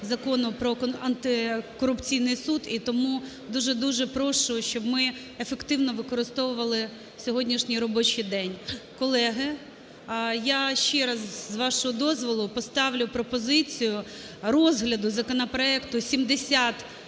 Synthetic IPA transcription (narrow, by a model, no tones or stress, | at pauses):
zɐkɔnʊpɾɔɐnt̪ɪkɔɾʊpt͡sʲijnɪjsud̪it̪ɔmu | d̪uʒɛd̪uʒɛpɾɔʃʊʃt͡ʃɔbmɪ | efekt̪ɪwnɔʋɪkɔɾɪst̪ɔʋʊʋɐlˠɪ | sʲɔɦɔdʲnʲiʃnʲijɾɔbɔt͡ʃɪjd̪ɛnʲkɔlˠɛɦɪ | jaʃt͡ʃɛɾɐzzʋɑʃɔɦɔd̪ɔzʋɔlˠʊpɔst̪ɑʋlʲʊpɾɔpɔzɪt͡sʲijʊ | rɔzɦlʲɐd̪ʊzɐkɔnɐpɾɔɛkt̪ʊsʲimd̪esʲat̪